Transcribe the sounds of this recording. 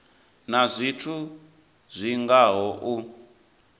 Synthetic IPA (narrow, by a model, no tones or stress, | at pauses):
nazʷitʰu | zʷiŋɡaɦɔʔu